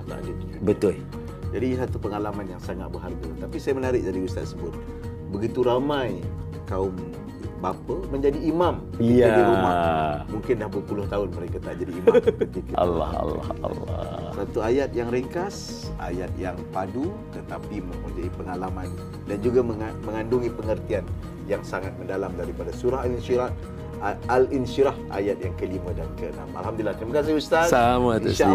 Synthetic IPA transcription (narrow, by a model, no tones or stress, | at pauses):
na̰ʔdət̪ubət̪ʊl | d͡ʒadisat̪upəŋalamanjaŋsaŋa̰t̪̚bəɦarɡat̪apisajamənaɾɪʔ̚daɾiust̪a̰t̪̚səbʊt̪̚ | bəɡit̪uɾamãj | kaʊm | bapəmə̃ɲd͡ʒadiːmãmkəiadiɾumahmuŋkɪnlahbəpulʊht̪aʊnməɾekat̪aʔd͡ʒadiːmakkət̪ikaʔa̰la̰ha̰la̰ha̰l̰sat̪uajat̪̚jaŋɾəŋkas | a̰jat̪̚jaŋpadu | t̪ət̪apimə̃mod͡ʒaipəŋalaman | dand͡ʒuɡaməamə̃ŋanduŋipəŋərt̪ian | jaŋsaŋat̪̚məndalamdaɾipadasuɾaɦalinsiɾa | alinʃiɾaha̰jat̪̚jaŋkəlimãdankəəna̰ma̰lɦamdulilːahkaməkas̬ɪust̪asamat̪uʃa